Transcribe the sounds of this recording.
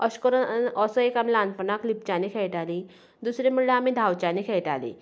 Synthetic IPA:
əɕkəɾəəsəekamilanpənaklip̚t͡ɕanikʰeɭʈali | d̪usɾem̤əɽleamid̪ʱawt͡ɕanikʰɛɭʈalḭ

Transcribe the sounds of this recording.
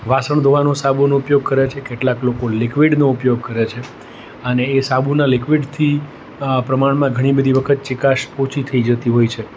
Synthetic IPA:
ʋasəɳd̪ʱoʋanosabunoupjoɡ̚kəɾet͡ʃʰekeʈlaklokolɪkʋiɖnoupjoɡ̚kəɾet͡ʃʰe | əneːsabunalɪkʋiɖt̪ʰi | pɾəmaɳmãɡʱəɽ̃ibəd̪ʱiʋəkʰət̪̚t͡ʃɪkaʃpot͡ʃit̪ʰəid͡ʒət̪iɦojt͡ʃʰe

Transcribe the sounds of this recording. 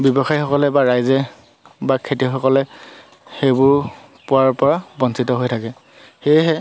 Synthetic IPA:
bɔbɔxajxɔkɔlɛbaɹajzɛ | bakʰetixɔkɔlɛ | xejbʊɹ | pʊaɹpɔɹabɔnsitɔɦojtʰakɛ | xejɦɛ

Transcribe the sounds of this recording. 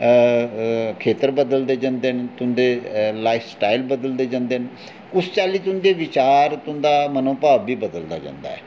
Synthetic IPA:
kʰeːt̪əɾbəd̪əld̪eːd͡ʒãːnd̪eːnt̪ʊnd̪eːlaːɪfsʈaːilbəd̪əld̪eːd͡ʒãːnd̪eːn | ʊst͡ʃaːliːt̪ʊnd̪eːʋɪt͡ʃaːɾt̪ʊnd̪aːmənõːpaːbbiːbəd̪əld̪a̰ːd͡ʒã̰ːnd̪a̰ːɛ̰ː

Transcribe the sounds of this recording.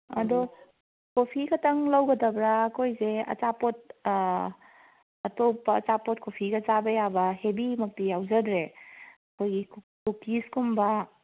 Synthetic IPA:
ɐdɔ | kopʰikɐtaŋlawɡɐdabɾaːkʰojzeɐ̰t͡ʃapot̚ | ɐtopɐ̰ːt͡ʃapot̚kʰopʰiɡɐzabɐjabɐhebimɐk̚tijawzɐdɾeɐkʰojɡi | kukiskumba

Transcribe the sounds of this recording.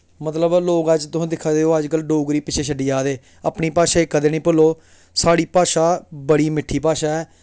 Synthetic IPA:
mət̪ləbloːkəd͡ʒt̪ʊsẽːd̪ɪkʰːaːd̪eːoːəd͡ʒkəlɖoːɡɾiːpɪt͡ʃʰeːʃʰəɖiːaːd̪eː | aːpɳiːpaːʃaːeːkːəd̪eːnĩːpʊlːoː | saːɽiːpaːʃaːbəɽiːmɪʈʰːiːpaːʃaːɛː

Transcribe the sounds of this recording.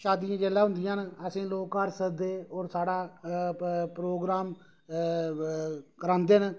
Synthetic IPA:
ʃaːd̪ijãːd͡ʒeːlãːɦʊ̃nd̪ɪjãːnəsĩːloːkəɾsəɾd̪eːɔːɾsaːɽaː | pɾoːɡɾaːm | kəɾãːnd̪eːn

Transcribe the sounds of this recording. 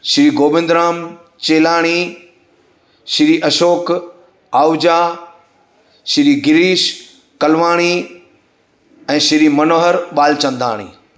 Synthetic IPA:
ʃɪɾiːɡoːbɪ̃nd̪ɾaːm | t͡ɕeːlaːɽ̃i | ʃɪɾiːʔɐʃoːk | aːwd͡ʑaː | ʃɪɾiːɡɪɾiːʃ | kɐlʋaːɽ̃i | ɛ̃ːʃɪɾiːmɐnoːɦəɾɓaːlt͡ɕɐ̃nd̪ʱa̰ːɽ̃ḭː

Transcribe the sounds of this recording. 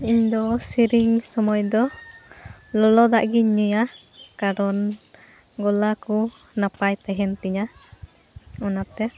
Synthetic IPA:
iɲd̪ɔsiɾiŋsɔmɔjd̪ɔ | lɔlɔd̪aʔɡiɲuja | kaɾɔn | ɡɔlaku | napajt̪ɛɦɛnt̪iɲa | ɔnat̪ɛ

